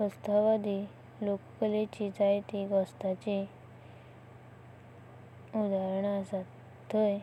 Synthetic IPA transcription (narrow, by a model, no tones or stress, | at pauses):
əst̪aʋad̪ʱi | lokkəlet͡ɕid͡zajt̪iɡəst̪at͡ɕi | ud̪aɾəɳəsat̪ː | əj